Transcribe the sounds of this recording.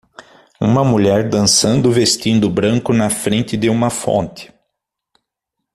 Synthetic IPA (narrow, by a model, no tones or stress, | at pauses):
ṵ̃mɐmuʎɛɾd̪ɐ̃sɐ̃nd̪ʊvest̪ĩnd̪ʊbɾɐ̃ŋkʊnɐfɾẽnt̪ɪd̪ɪũmɐfõ̰nt̪ɪ̥